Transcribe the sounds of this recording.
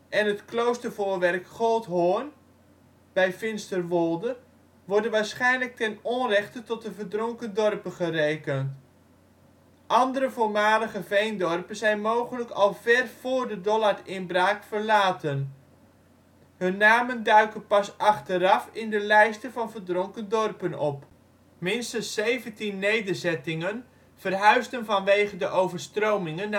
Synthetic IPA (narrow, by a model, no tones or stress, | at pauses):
ʔɛnɦətklowstəɹvʊːɹʋɛrkχolˠtɦon | bɛjfɪnstərʋolˠdə | ʋɔɹdənʋaːɹsχɛjnlək̚tɛnɔnrɛχtətɔt̚dəvəɹdrʊŋkəndɔrpəχərejkənt | ʔɑndəɾəvʊːɹmaːləχəvejndɔrpənzɛjnmowχənləkɑlˠvɛrv̥ʊːɹdədɔlaɹɪnbraːkfəɹlaːtən | ɦɵnːaːməndœɥkənpɑsɑχtəɾɑfɪndəlɛjstəvɑnvəɹdrɔŋkəndɔrpənɔp | mɪnstənsejvəntinːejdəɹzɛtɪŋən | v̥ərɦœɥsdənvɑnʋejχədəʔowvəɹstrowmɪŋən